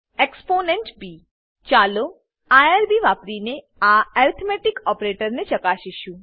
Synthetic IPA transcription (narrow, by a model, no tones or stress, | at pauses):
eksponeɳʈbi | t͡ʃalo | aaɾbiʋapɾine | aɛɾt̪ʰmeʈikɔpɾeʈəɾnet͡ʃəkaʃiʃũ